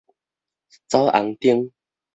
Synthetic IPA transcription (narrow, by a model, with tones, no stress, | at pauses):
t͡sa˦wʔa̰˨˧˦ŋt̪i˦əŋ